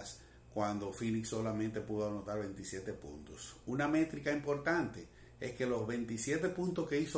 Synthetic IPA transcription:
s | kwand̪o̞finiksːo̞lamẽnt̪e̞puðoanot̪aɾβe̞nt̪isje̞t̪e̞pṵnt̪osuname̞t̪ɾikaimpo̞ɾt̪ant̪e | eske̞lo̞zβe̞nt̪isje̞t̪e̞punt̪oske̞iso

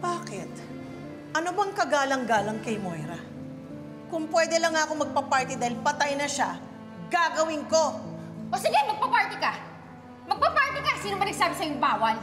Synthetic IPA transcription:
b̥aːkɪt̪̚ | ʔɐnobɐŋkɐɡaːlɐŋɡaːlɐŋkɐjmojɾɐ | kʊŋpwɛːd̪ɛlɐŋakomɐɡ̚pɐpaɹt̪ɪd̪aːhɪlpɐt̪ajnɐʃa | ɡaɡɐwɪŋko̞ʔosɪɡɛmɐɡ̚pɐpaɹt̪ɪka | mɐɡ̚pɐpaɹt̪ɪkasiːnomɐnɐɡ̚saːbɪsɐjoŋbaːwɐl

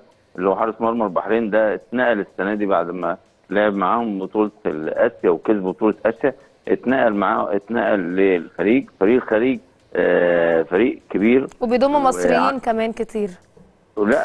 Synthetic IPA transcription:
ʔlːwħɑɾˤesmɑɾˤmɑɾˤbɑħɾeːnd̪æt̪næːʔælesːænæːd̪ibaʕd̪mæ | leʕebmaʕaːhombot̪ˤuːlt̪lʔæʃjæwekezbbot̪ˤuːlet̪ʔæʃjæ | ʔet̪næːʔælmaʕa̰ːʔet̪næːʔælːexæɾiːɡfæɾiːʔxæɾiːɡ̚ | fæɾiːʔkebiːɾwebejd̪omːumɑswɾejiːnkæmæːnket̪iːɾ | læʔ

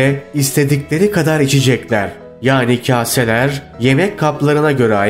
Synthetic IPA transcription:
ɛist̪ʰe̞d̪iclʲe̞ɾikʰad̪aɾit͡ʃʰid͡ʒɛclʲæɾ | jaːnicʰaːse̞lʲæɾ | je̞mɛckʰːaplˠaɾɯnaɟø̞ɾɛa

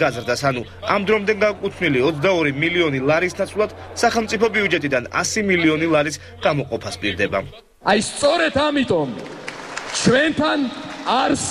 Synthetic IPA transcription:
ɡazɾd̪asanu | amd̪ɾɔmd̪ɛŋɡakʼut̪sʰniliɔt̪sd̪aɔɾimiliɔnilˠaɾisnat̪sʰwlˠad̪̥saχɛlˠmt̪sʼipʰɔbiud͡ʒɛt̪ʼid̪ana̰similiɔnilˠaɾis | ɡ̥amɔqʼɔpʰaspʼiɾd̪ɛba̰ | ajst̪sʼɔɾɛt̪ʰamit̪ʼɔm | t͡ʃʰwɛnt̪ʰanaɾs

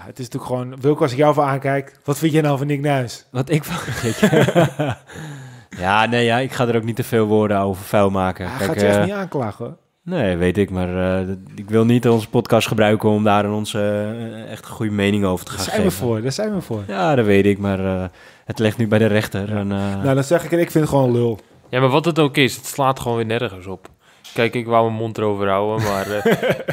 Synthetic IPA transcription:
jaətɪsntyəkxoːnʋɪlˠɪkɔsɪkjawfɔaːnkɛjkʋɔtfintjɛnawfɔnɪknœɥsʋɔtɪkfɔkɛk | janeːjaɪkxadəɾoːknitəfeːlˠʋoːrdəoːvərfɛjlˠmaːkəkɛjakniaːnklaxo | neːʋeːtɪkmarə | ɪkʋɪlˠnitɔnzəpɔtkɑstχəbrœɥkəɔmdaːɾənɔnsəɛxtəxujəmejnɪŋəoːvərtə̥xaːsəfoərdɔsɛjnʋəfoərjaːdɔtʋeːtɪkmar | hətlɪxtnybɛjdərɛxtərɛnnadɔsɛxɪkɪkfɪntχʋoːnlølˠ | jamaʋɔtət̬oːkɪsətslaːtχəoːnʋɪːnɛrɣəsop | kɛjkɪkʋawməmontəoːvərawəmar

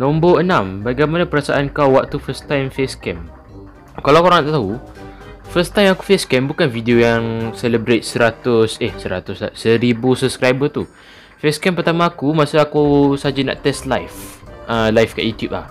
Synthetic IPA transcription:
nɔ̃mboənãmbaɡajmanapəɾasa̰ʔankawwaʔt̪ufəst̪ajmfeskɛm | kalawkoɾaŋnaʔt̪aɦu | fəst̪ajmakufeskɛmbukanfidiojaŋsɛləbɾet̪̚səɾat̪ʊsɪhsəɾat̪ʊsla̰səɾibusubskɾajbət̪u | feskɛmpərt̪amãːkumasaakusad͡ʒana̰ʔt̪ɛst̪lajfʔəlajfka̰ʔjut̪jup̚la̰h

